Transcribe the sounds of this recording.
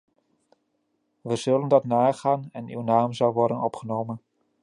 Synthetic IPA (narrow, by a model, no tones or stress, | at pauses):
ʋəzɵləndɑtnaːχaːnɛny̰wnaːmzʌwʋɔɹdənɔpχənowmən